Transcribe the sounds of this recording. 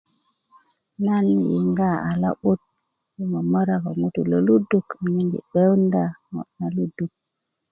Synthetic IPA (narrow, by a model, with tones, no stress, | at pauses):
na˦ni˦jḭ˨ŋɡa˦a˨la̰˦ɓu˦t̚ | ji˦mo˨mo˦ɾa˨ko˨mu˦tṵ˨lo˨lu˦du˦kɲi˦ŋɡḭ˨ɓe˦wnda˦˨mo̰˨na˨lu˦du˨k̚